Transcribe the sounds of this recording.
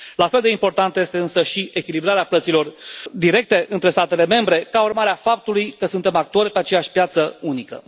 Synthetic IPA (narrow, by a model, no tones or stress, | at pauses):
lafe̞ld̪e̞impo̞rt̪ant̪je̞st̪e̞ɨnsəʃiʔe̞kʲilibɾaɾeaplət̪silo̞rd̪iɾe̞k̚t̪e̞ʔɨnt̪ɾe̞st̪at̪e̞le̞me̞mbɾe̞kaurmaɾeafap̚t̪ulujkəsunt̪e̞mak̚t̪o̞rʲpeat͡ʃe̞jaʃʲpjat̪səunikə̰